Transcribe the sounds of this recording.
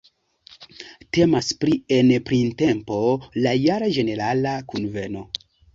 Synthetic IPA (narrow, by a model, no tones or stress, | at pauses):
te̞maspɾienpɾinte̞mpo̞lajaɾad͡ʒe̞ne̞ɾalakunve̞no̞